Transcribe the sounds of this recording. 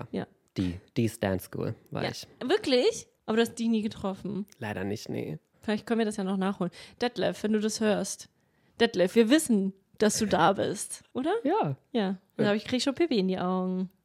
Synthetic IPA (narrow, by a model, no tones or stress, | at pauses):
ja̰ːja̰ː | d̥iːd̥iːstɛ̰nskṵːlva̰a̰ɪçvɪɐklɪçʔaːbɐɾuhast̚d̥ɪçniːɡətʁ̥ɔfn̩laɪɾɐnɪ̰çtnḛ | fɪlaɪçt̚kœn̩viɐdaɐsjaːnɔχnaːχhoːlənd̥ɛtlɛ̰fv̥ɛnduːdashøːɐst | d̥ɛtlɛfviːɐvɪsn̩ | d̥asd̥uːdaːbɪ̰stʔoːɾɐjaːjaː | abɪçkʁ̥iːɡəʃoːnpʰɪpiɪndiːʔaʊɡŋ̩